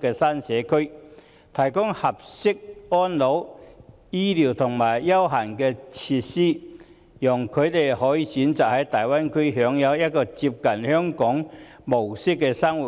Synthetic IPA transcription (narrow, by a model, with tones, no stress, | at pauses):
kɛː˧saː˥nsɛː˨˧kʰɵ˥ɥ | t̪ʰɐ˨˩jkʊ˥ŋhɐ˨p̚sɪ˥k̚ɔː˥nlo˨˧˥w | jiː˥liː˨˩wt̪ʰʊ˨˩ŋmaː˨˩jːɐ˥wɦaː˨˩nkɛː˧t͡sʰiː˧t̚siː˥ | jʊ˨˩ŋkʰɵ˨˧ɥt̪e˨jhɔː˨˥jiː˧siː˨˥nt͡saː˨k̚hɐ˨˥jt̪aː˨jwaː˥nkʰɵ˥ɥɦœː˨˧ŋjɐ˨˧wjɐ˥t̚kɔː˧t͡siː˧p̚kɐ˨nhœː˥ŋkɔː˨˥ŋ | mo˨˩wsɪ˥kːɛː˧sa˥ŋwu˨